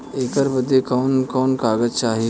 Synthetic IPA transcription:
eːkəɾbəd̪ʱːekɔːnkɔːnkaːɡət͡ʃaːɦi

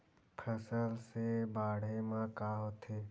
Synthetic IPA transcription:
pʰəsəlsebaːɽ̤emãkaːɦoːt̪ʰeː

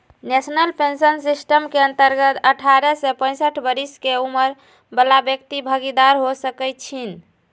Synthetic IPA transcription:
nesnəlpʰensənsisʈəmkeənt̪əɾɡət̪əʈʰaɾɛsɛpə̃j̃səʈʰbəɾiskeuməɾ | bəlabjəkt̪ibʱəɡid̪aɾɦosəkɛjt̪t͡ʃʰin

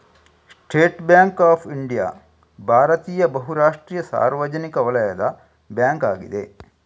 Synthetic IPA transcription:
sʈʰeːʈbjaːŋkaːpʰiɳɖija̰ː | bʱaːɾɐt̪iːjɐbɐɦuɾaːʂʈɾiːjɐsa̰ːɾʋɐd͡ʒɐnikɐʋɐlɐjɐd̪ɐ | bjaːŋkaːɡḭd̪e

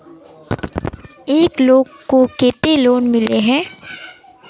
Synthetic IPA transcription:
eːkloːɡkokeːt̪eloːnmɪleɦɛ̃ː

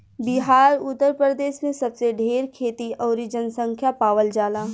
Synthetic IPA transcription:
bɪɦaːɾʊt̪ːəɾpɾɾəd̪eːʃmẽsɐbseɖʱeːɾkʰeːt̪iɔːɾid͡ʒənsə̃ŋkʰjapaːʋəld͡ʒaːlaː

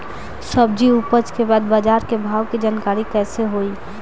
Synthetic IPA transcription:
səb̚d͡ʒiupət͡ʃkebaːd̪bad͡ʒaːɾkebʱaːʋkid͡ʒaːnkaːɾikɛːseɦoːi

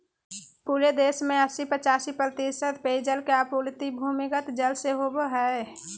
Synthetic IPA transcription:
puːɾed̪eːsmẽəsipət͡ʃaːsipɾət̪isət̪peid͡ʒəlkeapult̪ibʱuːmɪkət̪d͡ʒəlseɦoboɦɛ

